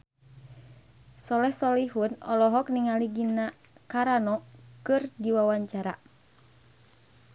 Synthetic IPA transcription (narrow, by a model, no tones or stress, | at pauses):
sɔlɛhsɔliɦunɔ̰lɔɦɔk̚niŋaliɡina | kaɾanɔkɨrdiwawaɲt͡ʃaɾa̰